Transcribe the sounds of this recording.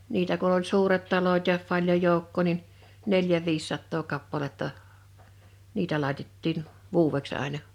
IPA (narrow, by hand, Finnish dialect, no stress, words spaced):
niːtæ kun̆ olʲ suːret tɑloĭt jɑ pɑlʲjoj̆ joˑukːoˑ nin neljæ ʋiːsːɑtːoː kɑpːɑletːɑ niːtæ lɑˑitetːiˑn ʋuːweks ɑˑenɑ